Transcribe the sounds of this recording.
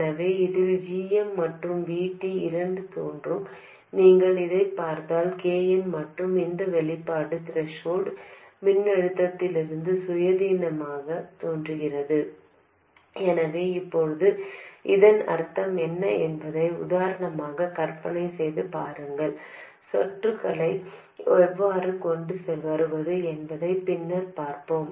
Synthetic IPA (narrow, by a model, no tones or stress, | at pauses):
nɐʋeːɪðɪld͡ʒiːjɛmːɐʈrɯmʋiːʈːiɪɾɐɳɖɯt̪oːndrɯm | niːŋɡɐɭɪðɐɪpːaːɾt̪aːlkeːjɛnmɐʈrɯmɪnd̪ɐʋɛɭɪpːaːɽɯt̪ɪɾɛʂoːɽmɪnːɛɻɯt̪ːɐt̪ːɪlɪɾɯnd̪ɯsʊjɐðiːnɐmaːɣɐt̪oːndrɯɣɪrɐðɯ | ɛnɐʋeːɪpːɔɻɯðɯʔɪðɐnɐ̰ɾt̪ːɐmɛnːɐɛnbɐðɐɪʊ̰ðaːɾɐɳɐmaːɣɐkɐɾpɐnɐɪsɛjðɯpaːɾɐŋɡɐɭ | sɔʈrɯkɐɭɐɪ | ɛʋːaːɾɯkɔɳɖɯsɛlʋɐɾɯʋɐðɯɛnbɐðɐɪpɪnːɐɾpaːɾpoːm